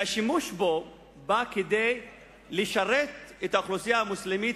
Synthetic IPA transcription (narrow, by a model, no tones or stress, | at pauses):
aʃimuʃbo̞ | baked̪ej | leʃaʁet̪et̪aoχlusijaamuslemit